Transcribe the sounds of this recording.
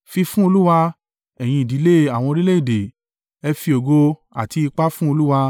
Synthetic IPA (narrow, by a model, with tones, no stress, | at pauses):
fi˧fũ˦o˧lu˦wa˧ | ɛ˨j̃ĩ˧i˨di˨˦le˦˨a˨w̃ɔ̃˧ɾi˦le˦i˦˨de˨ | ɛ˧fi˧o˨ɡo˧a̰˨ti˧i˧k͡pa˦fũ˦o˧lu˦wa˧